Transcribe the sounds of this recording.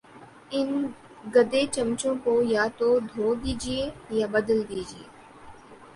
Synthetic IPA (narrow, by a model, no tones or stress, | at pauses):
ɪn | ɡəd̪eːt͡ʃəmt͡ʃõːkoːjaːt̪oːd̪ʱoːd̪iːd͡ʒieːjaːbəd̪əld̪iːd͡ʒɪḛː